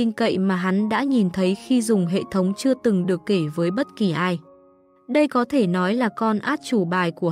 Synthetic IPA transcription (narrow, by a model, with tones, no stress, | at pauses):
i˧ŋkə̰˧˨jmaː˨˩ɦa˨˦nɗa̰ː˧˥ɲi˨˩nt̪ʰə˨˦jxi˧zʊ˨˩ŋ͡mɦḛ˧˨t̪ʰə˨˦wŋ͡mt͡ɕɨ˧ət̪ɨ˨˩ŋɗɨ˨˩əkːe˧˩vəː˨˦jɓə˦˥t̚ki˨˩ʔaː˧j | ɗə˧jkɔ˨˦t̪ʰe˧˩nɔ˨˦jlaː˨˩kɔ˧nʔaː˦˥t̚t͡ɕu˧˩ɓaː˨˩jku˧˩